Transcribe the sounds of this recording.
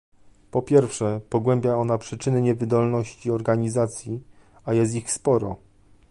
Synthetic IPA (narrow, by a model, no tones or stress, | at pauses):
pɔpʲjɛɾfʂɛpɔɡwɛmbʲjaɔnapʂɘt͡ʂɘnɘɲɛvɘd̪ɔlnɔɕt͡ɕiɔɾɡaɲizat̪sʲji | ajɛst̪ixspɔɾɔ